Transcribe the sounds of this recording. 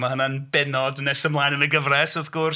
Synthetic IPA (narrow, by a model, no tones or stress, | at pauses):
mahənanbɛnɔdnɛsəmlˠaːjnənəɡəvrɛsɔðɡ̥ʊr